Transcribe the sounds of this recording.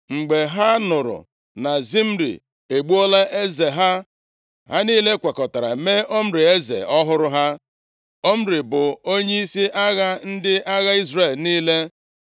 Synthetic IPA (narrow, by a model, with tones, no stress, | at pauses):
ŋ͡m̩˨ɡ͡be˨ɦa˦nʊ˨ɾʊ̰˨ | na˨zi˦m̩˦ɾḭ˨ | e˨ɡ͡bu˦o˦la˦ʔe˦ze˨ɦa˦ | ɦa˦niː˦le˦kʷa˨kɔ˨ta˨ɾa̰˨me˦ʔo˦m̩˦ɾɪ˨e˦zḛ˨ɔ˦ɦʊ˦ɾʊ˦ɦa˦ | o˦m̩˦ɾɪ˨bʊ˨o˦ɲe˦i˦si˦ʔa˦ɣa˦n̩˦dɪ˦a˦ɣa˦i˦zre˦˨lniː˦le˦